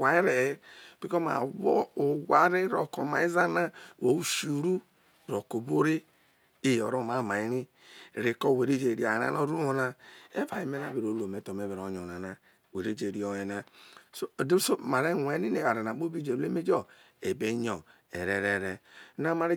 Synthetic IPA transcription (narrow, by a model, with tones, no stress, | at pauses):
wa˨i˦ɾe˨˦b̥i˨˦kɔ˦ma̰˨wo˦o˨wa˦ɾe˦ɾo˨ko˨ma˨i˦za˦na˦wo˨u˦ʃu˨ɾu˦ | ɾo˨ko˨bo˦ɾe˦ | e˨o̰˨ɾo˦˨ma˨ma˨i˦ɾi˦˨ | ɾe˨ko˦˨we˨ɾe˦d͡ʒe˨ɾi˨a˨na̰˨no˦ɾu˦o˨na˦e˦va˨i˨me˦na˦be˨ɾo˨˦lo˨me˨˦to˨m˨e˨˦βe˨ɾo˨˦ɲo˨na˨na˨ | we˨ɾe˦d͡ʒe˨ɾi˨o˨je˨na˦so˦˨de˦so˦ma˨ɾe˦˨e˨˦ni˦ne˨a˨ɾe˨na˨˦o˦bi˦d͡ʒe˨˦e˦me˦d͡ʒɔ˦ | e˨be˦ɲɔ˨ | ḛ˨ɾe˨ɾe˨ɾɛ˨˦na˦ma˨ɾe˦